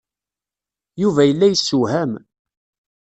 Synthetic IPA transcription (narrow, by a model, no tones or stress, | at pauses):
juvæjəlːæjəsːuhæm